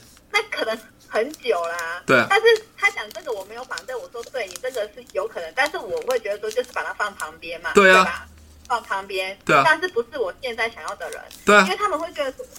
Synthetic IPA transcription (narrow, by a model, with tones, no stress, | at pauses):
na˥˩kʰɤ˨˩nə˧˥ŋ | xə˧˦˥nt͡ɕjo˨˩ʊlə˦t̪we˥˩t̪a˥˧nʂɻ̩˥˩t̪ʰa˥ɕjɑ˨˩ŋʈ͡ʂɤ˥˩ɡə˩wɔ˨˩me˧˥ɪjo˧˥ʊpa˨˩t̪wɪwɔ˨˩ʂwɔ˥t̪we˥˩ɪni˨˩ʈ͡ʂɤ˥˩ɡə˨ʂɻ̩˥˩jo˧˥ʊkʰɤ˨˩nə˧˦ŋt̪a˥˧nʂɻ̩˥˩wɔ˨˩xwe˥˩ɪt͡ɕɥɛ˧˥d̪ə˧˩wɔ˥t͡ɕjo˥˧ʊʂɻ̩˥˩pa˨˩t̪ʰa˥fɑ˥˩ŋpʰɑ˧˥ŋpjɛ˥nmɐ̰˨t̪we˥˩ɪ˥˨pa˨˩t | fɑ˥˩ŋpʰɑ˧˥ŋpjɛ˥nwe˥˩t̪a˥˧nʂ̬ɻ̩˥˩pu˧˥ʂɻ̩˥˩wɔ˨˩ɕjɛ˥˧nt͡sa˥˩ɪɕjɑ˨˩ŋjɑ˥˩ʊd̪ə˩ɻə̰˧˦nit̪we˥˩˥we˥˩ɪt̪ʰa˥mə˨nxwɪt͡ɕɥɛ˧˥d̪ə˧˩ʂə˧˥